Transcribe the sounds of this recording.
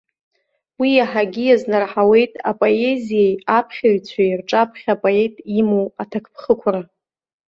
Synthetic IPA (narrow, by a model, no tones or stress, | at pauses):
wijaħaɡʲijaznarħawe̞jtʼapʼo̞e̞zijejapʰχʲaɥt͡sʷʰajrʈ͡ʂʼapʰχʲapʼo̞e̞jtʼimowatʰakʰpʰχəkʷʰra